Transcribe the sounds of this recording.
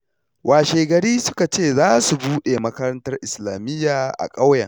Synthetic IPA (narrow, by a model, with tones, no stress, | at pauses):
wʔaː˨ʃeː˨ɡɐ˨ɾiː˦sʊ˦ka˨t͡ʃeː˦˨zaː˦su˨buː˦ɗeː˨mɐ˦kɐ˦ɾɐ˦ntɐ˦rʔɪ˨slaː˨mɪ˦jːaː˨ʔa̰˨kʼa˦wjɐ̰˨ŋ